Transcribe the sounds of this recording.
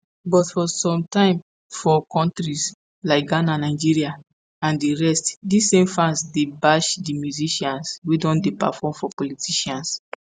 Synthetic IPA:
bɔtfɔsɔ̃mtãɪ̃m | fɔkɔ̃ntɹis | laɪk̚ɡananaɪd͡ʒiɹia | ãndiɹɛstdisẽmfãnsdebaʃdimjuziʃãnswedɔ̃ndepa̰fɔmfɔpɔlitiʃɔ̃ns

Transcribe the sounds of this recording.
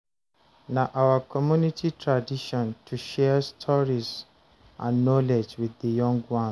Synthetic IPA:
naʔawakʰɔmjunitʰitʰɹadiʃɔ̃ntʰuʃɛstʰɔɹiz | ʔãnːɔled͡ʒwiðəjɔ̃ŋɡwɔ̃n

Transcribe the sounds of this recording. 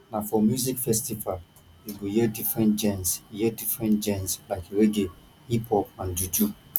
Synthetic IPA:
nafɔmjuzikfɛstival | juɡojɛdifɹɛ̃nd͡ʒɛ̃nsjɛdifɹɛ̃ntd͡ʒɛ̃nslaɪkɾeɡe | hipʰɔp̚ãnd͡ʒud͡ʒu

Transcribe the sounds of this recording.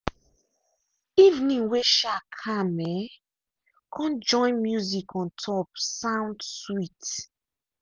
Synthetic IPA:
ivnĩŋweʃakʰãmɛ | kʰɔ̃nd͡ʒɔ̃ɪ̃nmjuzikʰɔ̃ntʰɔp̚sãʊ̃ndswit

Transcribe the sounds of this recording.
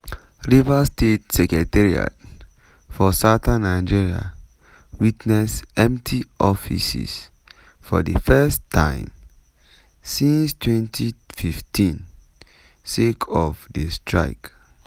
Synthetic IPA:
ɹivastʰet̚sɛkɹɛtɛɹia̰t | fɔsatãnːaɪd͡ʒiɹia̰ | witnɛsɛ̃mptʰiʔɔfḭsḭs | fɔ̰dəfɛstʰːã̰ɪ̃m | sĩnstʰwɛ̃ntʰififtʰĩn | sekʰɔfdestʰɹa̰ɪk

